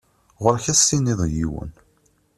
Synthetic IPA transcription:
ʁʊɾçæsːiniðˤjiwə̰n

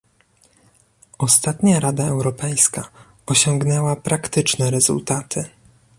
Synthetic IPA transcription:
ɔst̪at̪ɲaɾad̪aɛwɾɔpɛjska | ɔɕɔŋɡnɛwapɾakt̪ɘt͡ʂnɛɾɛz̥ṵlt̪at̪ʰɘ

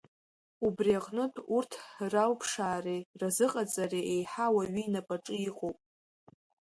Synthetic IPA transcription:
ubriaqʼnɨtʰʼurtʰralpʰʂaːrirazɨqʼat͡sʼariʔejħawaɥiinapʼaʈ͡ʂʼɨiqʼopʼ

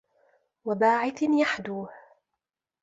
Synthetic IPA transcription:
wabaːʕɪθnjaħd̪uːh

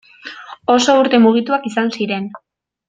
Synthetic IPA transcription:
o̞so̞uɾt̪e̞muɣ̞it̪uakisansiɾe̞n

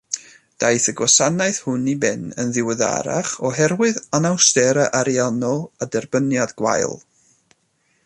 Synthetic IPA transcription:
d̥ajθəɡwɔsanaɨθhʊnibɛnənðɪwəða̰ɾa̰χɔɦɛrwɨðanawstɛɾaʔaɾianɔlˠadɛrbənjadɡwa̰jlˠ

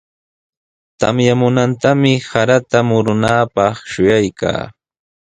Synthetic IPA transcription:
t̪a̰mjamʊnant̪amɪhaɾat̪amʊɾʊnaːpɑχʃʊjajka̰ː

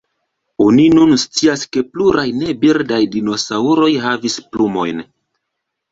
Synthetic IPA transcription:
o̞ninunst͡siaske̞pluɾajne̞biɾdajdino̞sauɾo̞jɦavisplumo̞jn

